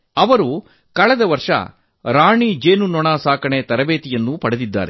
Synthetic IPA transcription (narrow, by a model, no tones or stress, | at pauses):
ɐʋɐɾu | kɐɭɛd̪ɐʋɐɾʂɐ̰ | ɾaːɳid͡ʒeːnunɔɳaːsaːkɐɳet̪ɐɾɐbeːt̪ijɐnːupɐɽed̪id̪ːa̰ːɾe